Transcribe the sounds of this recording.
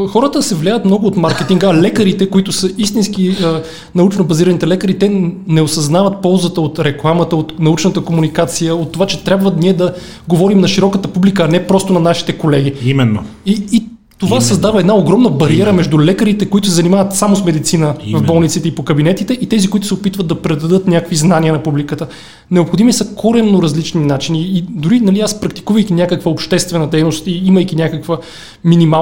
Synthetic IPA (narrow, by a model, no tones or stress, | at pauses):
xɔɾət̪əsɛvlʲajət̪mnɔɡʊːt̪maɾkɛt̪iŋɡəɐlɛkəɾit̪ɛkoit̪ʊsəist̪inskiə | nɐut͡ʃnobɐziɾɐnit̪ɛlɛkəɾit̪ɛnɛosɐznavət̪̚pɔlˠzət̪əot̪ɾɛklˠamət̪əot̪nɐut͡ʃnət̪əkomunikat̪sijəot̪ːovat͡ʃɛt̪ɾʲjabvəniɛd̪ɐ | ɡovɔɾimnɐʃiɾɔkət̪əpublikəːnɛpɾɔst̪ʊnɐnaʃi̥t̪ɛkolɛɡ̟iimɛn̰ː | iː | t̪ovasɐzd̪avəɛd̪naoɡɾɔmnəbɐɾiɛɾəmɛʒd̪ulɛkəɾit̪ɛkoit̪ʊsɛzɐnimavət̪samosmɛd̪it̪sinəvɐvbɔlˠnit̪sit̪ɛipokɐbinɛt̪it̪ɛʔit̪ɛzikoʊit̪ʊ̥sɛopit̪vət̪d̪ɐpɾɛd̪ɐd̪ɤt̪nʲakkviznanʲiənɐpublikət̪ə | nɛopxod̪imisəkoɾɛnːoɾɐzlit͡ʃninat͡ʃiniːd̪ʊɾinɐliaspɾɐk̚t̪i̥kuvəjk̟ʲinʲakəkvəopʃt̪ɛst̪vɛnəd̪ɛjnost̪iiməjkinʲakəkvə | minima